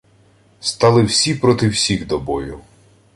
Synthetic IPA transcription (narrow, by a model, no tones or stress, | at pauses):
st̪ɑlˠɪwsʲipɾɔt̪ɪwsʲiɣd̪ɔbɔjʊ